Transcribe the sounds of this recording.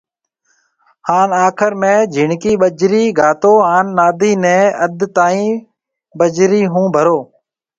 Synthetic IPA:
haːnaːkʰəɾmẽːd͡ʒʱɪɳkiːɓəd͡ʒɾiːɡʱaːt̪oːɦaːnːaːd̪iːnɛ̃ːəd̪t̪aːĩː | ɓəd͡ʒɾiːɦũːbʱəɾoː

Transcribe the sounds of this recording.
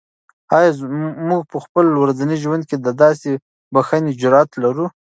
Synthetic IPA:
ɑjɑmuɡ̚pəxpəlwɾazaniʒwand̪̚ked̪əd̪ɑse | baxaned͡ʒʊɾɑat̪laɾu

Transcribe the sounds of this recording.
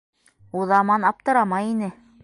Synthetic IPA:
uðɑmɑnɑp̚t̪ɤ̆ɾɑmɑjinɘ

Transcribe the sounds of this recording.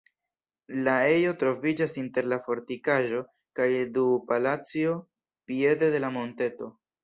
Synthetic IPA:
lae̞jo̞tɾo̞vid͡ʒasinte̞ɾlafo̞ɾtikaʒo̞ | kajdupalat͡sio̞ | pie̞de̞de̞lamo̞nte̞to̞

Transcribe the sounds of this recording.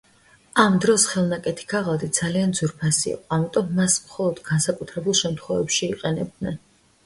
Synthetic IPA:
amd̪ɾɔsχɛlˠnakʼɛt̪ʰi̥ɡʰaʁalˠd̪id̪zaliand̪zuɾpʰasiḭqʼɔamit̪ʼɔmːasmχɔlˠɔd̪ɡansakʼut̪ʰɾɛbulˠʃɛmt̪ʰχwɔvɛpʃiːqʼɛnɛb̚d̪nɛn

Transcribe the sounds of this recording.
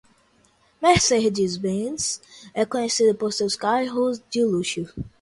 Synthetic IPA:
mehsehd͡ʒizbẽnsɛkõɲesid̪ʊpoɾsewskajɦʊzd͡ʒɪluʃʊ

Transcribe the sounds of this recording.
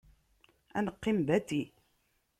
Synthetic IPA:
æ̰nəqːimbæt̪i

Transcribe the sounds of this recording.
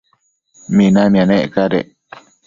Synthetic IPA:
mĩnãmĩãnẽʔkaɾḛ

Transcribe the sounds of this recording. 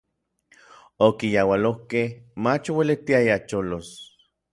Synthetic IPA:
okijawalohkehmat͡ʃowelet̪iajat͡ʃolos

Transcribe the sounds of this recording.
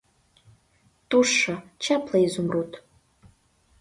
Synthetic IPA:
tuʂɐt͡ʃʰapʰlɐizumrutʰ

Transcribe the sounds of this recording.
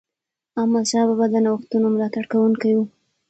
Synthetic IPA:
amɑʃɑβabad̪ənawxt̪unomlɑt̪aɽkawuŋkaju

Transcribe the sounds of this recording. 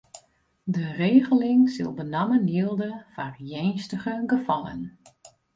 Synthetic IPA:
dəreːɣəlɪŋsɪlˠbənaməniəlˠdəfarjɛjnstəɣəɡəfɔlə̰n

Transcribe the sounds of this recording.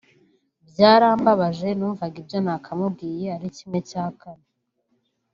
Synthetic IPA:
bjaːɾaːmbaβaʒe̞nuːɱvaɡibjonakʰamubɡiːjeaɾicimŋe̞caːkane

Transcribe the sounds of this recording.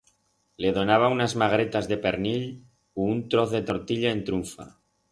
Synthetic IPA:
le̞ð̞o̞naβ̞aunazmaɣɾe̞t̪azðe̞pe̞ɾnil | uunt̪ɾo̞θðe̞t̪o̞ɾt̪iʎaent̪ɾuɱfa̰

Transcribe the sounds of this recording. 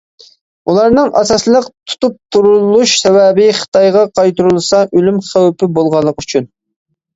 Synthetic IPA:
ulˠɑɾnɨŋʔɑsɑslˠəqt̪ʰu̥t̪up̚t̪ʰuɾulˠuʃsɛwɛbɪχə̥t̪ɑjʁɑqʰɑjt̪uɾulˠsɑʔølymχæwpɪbolˠʁɑlˠːəqyt͡ʃʰyn

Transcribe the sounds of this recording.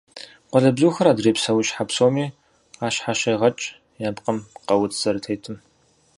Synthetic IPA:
qʷɔɮɐbzuːxɐɾaːdreːpsɐwɕħapsoːmiː | aːɕħaɕɐjʁɐt͡ʃʼ | jaːbqɐmqɐwʊt͡sʰz̥ɐɾɨtʰejtʰɨm

